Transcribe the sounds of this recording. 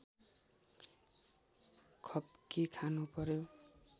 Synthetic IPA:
kʰʌpkikʰanupʌɾjo

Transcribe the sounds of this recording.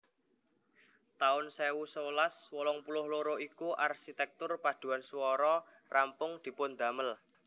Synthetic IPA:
t̪aʊnsewusowlaswɔlɔŋpulʊhloɾoʔikuʔarʃit̪ɛk̚t̪ʊrpad̪̥ṳansuwɔɾɔ | rampʊŋd̪̥i̤pʊnd̪̥a̤məl

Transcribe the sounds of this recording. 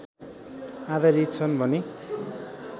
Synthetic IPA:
ad̪aɾit̪̚t͡sʰʌnbʱʌne

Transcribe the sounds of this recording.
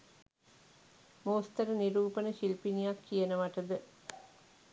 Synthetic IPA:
moːst̪ɐɾəniɾuːpənəʃilpinijakːijənəʋaʈəd̪ə

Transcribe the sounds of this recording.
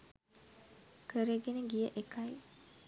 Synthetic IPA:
kəɾeɡenəɡijəʔekʰaj

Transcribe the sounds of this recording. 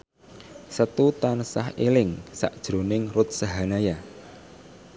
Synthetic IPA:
sət̪ut̪ansa̰helɪŋsa̰ʔd̥ʒ̥ɾo̤nɪŋrʊt̪̚saɦanaja

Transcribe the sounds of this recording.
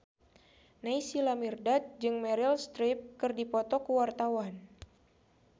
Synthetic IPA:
naisilamirdat̪̚d͡ʒɨŋmɛɾilst̪ɾip̚kɨrdipɔt̪ɔkuwart̪awan

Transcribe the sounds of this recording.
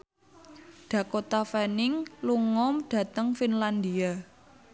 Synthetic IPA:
ɖ̪̥ä̤kot̪afɛnɪŋluŋɔmɖ̥ä̤t̪əŋfinland̪ia

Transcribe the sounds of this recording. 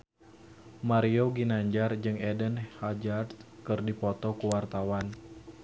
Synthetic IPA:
maɾioɡinaɲd͡ʒard͡ʒɨŋɛdənhad͡ʒart̪kɨrdipɔt̪ɔkuwart̪awan

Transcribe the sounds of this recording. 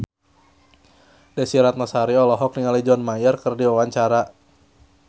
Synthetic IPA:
dɛsiɾat̪̚masaɾiɔlɔɦɔk̚niŋalid͡ʒɔnmajərkərdiwawaɲt͡ʃaɾa

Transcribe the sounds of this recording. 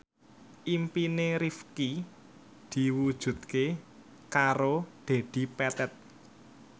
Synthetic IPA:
ʔimpineɾifki | d̪̥i̤wud̥ʒ̥ṳt̪̚ke | kaɾod̪̥e̤d̪̥i̤pɛt̪ɛt̪̚

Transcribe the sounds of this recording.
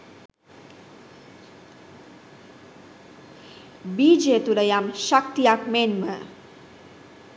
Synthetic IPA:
bid͡ʒet̪uɾəjamʃʌk̚t̪ijakmenmə

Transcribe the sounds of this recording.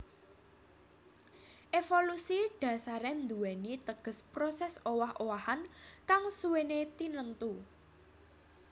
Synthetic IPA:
ʔefolusiɖ̥ä̤saɾɛnd̪uwɛnit̪əɡ̥ə̤spɾosɛsowahʔowahankaŋsuwenet̪inənt̪u

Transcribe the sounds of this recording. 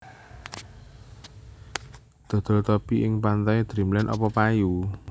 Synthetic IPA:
d̪̥o̤d̪̥o̤lt̪ɔpiʔɪŋpant̪ad̪̥ɾi̤mlɛnʔɔ̰pɔpaju

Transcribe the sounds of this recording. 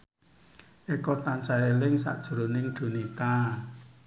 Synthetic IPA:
ʔekɔt̪ansaelɪŋsa̰ʔd̥ʒ̥ə̤ɾonɪŋd̥o̤nit̪a

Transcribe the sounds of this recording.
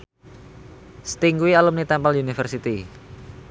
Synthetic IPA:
st̪iŋɡuwialumnit̪ɛmpalunifərsit̪i

